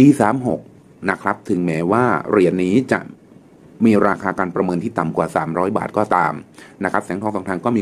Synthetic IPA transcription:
piː˧saː˩˦mɦo˨˩k̚ | na˦˥kʰɾa˦˥p̚t̪ʰɯ˩˦ŋmɛː˨˦˥waː˥˩ɾi˨˩ənːiː˦˥t͡ɕa̰˨˩ʔ | miː˧ɾaː˧kʰaː˧kaː˧npɾa˧mɤː˧nt̪ʰiː˥˩t̪a˨˩mkwaː˨˩sa̰ː˩˦mɾɔː˦˥jba̰ː˨˩t̪̚kɔː˥˩t̪aː˧mna˦˥kʰɾa˦˥p̚sɛː˩˦ŋʰɔː˧ŋsɔː˨˩˦ŋt̪ʰa˧ŋkɔː˥˩miː˧

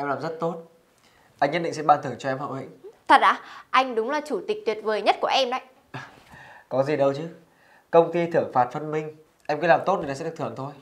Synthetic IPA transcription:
ʔɛ˧mlaː˨˩mzə˦˥t̚t̪o˦˥t̚ | ʔa˧jŋ̟ːə˦˥t̚ɗ̰ḭ˧˨ŋsɛ̰˧˥ɓaː˧nt̪ʰɨ˨˩ŋt͡ɕɔ˧ʔɛ˧mhɦə̰˧˨whḭ˧˨ŋt̪ʰə˨˩t̚ʔaː˧˩ʔa˧jŋ̟ɗʊ˨˦wŋ͡mlaː˨˩t͡ɕu˧˩t̪ï˨˩k̚t̪wi˨˩ət̚vəː˨˩jɲə˦˥t̚ku˧˩əʔɛ˧mna̰˧˨jʔ | kɔ˨˦zi˨˩ɗə˧wt͡ɕɨ˨˦ | kə˧wŋ͡mt̪i˧t̪ʰɨ˧˩əŋfaː˨˩t̚fə˧nmï˧ŋ̟ | ʔɛ˧mki˨˦laː˨˩mt̪o˦˥t̚ɗi˨˩n˨sɛ˧˥˦t̪ʰɨ˨˩əŋt̪ʰo˧j

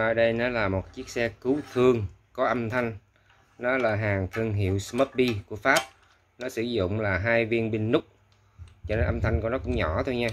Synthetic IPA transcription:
əː˧˩ɗə˧jnɔ˨˦laː˨˩mo˨˩t̚t͡ɕi˦˥ək̚sɛ˧kɨ˨˦wt̪ʰɨ˧əŋ | kɔ˨˦ʔə˧mt̪ʰa˧jŋ̟ | nɔ˨˦laː˨˩ɦaː˨˩ŋt̪ʰɨ˧ŋɦḭ˧˨əwsməː˦˥t̚ɓi˧ku˧˩əfaː˦˥p̚ | nɔ˨˦sɨ˧˩zʊ̰˧˨ŋ͡mlaː˨˩ɦaː˧jvi˧ənɓi˧ŋnʊ˦˥k͡p̚ | t͡ɕɔ˧ne˧nʔə˧mt̪ʰa˧jŋku˧˩ənɔ˨˦kʊ̰˧˥ŋ͡mɲɔ˧˩t̪ʰo˧jɲaː˧

